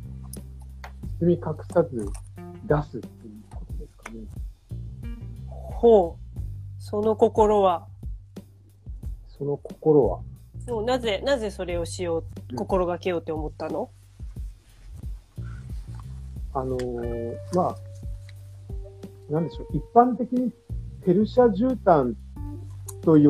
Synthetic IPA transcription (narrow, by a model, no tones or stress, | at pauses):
t͡sɨmʲikakɯ̟̥sazɨd̪asɨt̪ːe̞jɯ̟ːkot̪o̞d̪e̞sɨ̥kane | hoː | so̞no̞ko̞ko̞ɾo̞βa | so̞no̞ko̞̥ko̞ɾo̞βa̰moːnaze̞naze̞so̞ɾe̞o̞ɕijo̞ːko̞ko̞ɾo̞ɡakejo̞ːt̪ːeomo̞t̪ːano̞ | ano̞ma | nãnd̪eɕo̞ipːãnt̪e̞kʲiɲ̟i | t̪ʰe̞ɾɯ̟ɕiaʑɨːt̪ãn | t̪o̞j